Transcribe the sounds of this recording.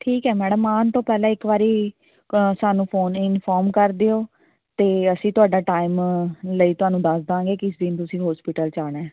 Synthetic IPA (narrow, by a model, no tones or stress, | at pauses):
ʈʰiːkɦɛːmɛːɽəmːaːnt̪õːpɛːlãːɪkʋaːɾiː | saːnũːpʰoːnɪnfʰɔːɾmkəɾd̪eːoː | t̪eːəsĩːt̪ʊaːɖaːʈaːɪmləiːt̪ʊɦaːnũːd̪əsd̪ãːŋɡeːkɪsd̪ɪnt̪ʊsĩːɦɔːspɪʈəlt͡ʃaːɽeː